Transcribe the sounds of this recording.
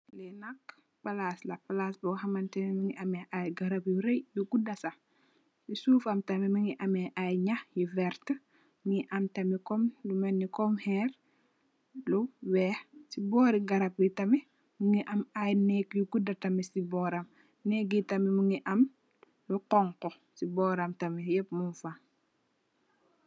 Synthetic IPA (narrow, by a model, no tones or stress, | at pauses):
lɛnɐk | pɐlaːslɐpɐlaːsbɔɦɐmɐntɐmimuŋiʔɐmɛʔajɡɐɾɐpjuɾejjuɡudɐsɐ | jisuːfɐmtɐmimiŋiʔɐmɛʔajɲaxjivɛɾt | miʔɐmtɐmikɔmlumɐnːikɔmhɛːɾ | luwɛsibɔːɾiɡɐɾɐpwitɐmɛ | muŋiʔɐmajnɛkjuɡudɐtɐmisibɔːɾɐm | nɛɡitɐmimuŋiʔɐm | luqɔŋkɔ | sibɔɾɐmtɐmijɛp̚munfa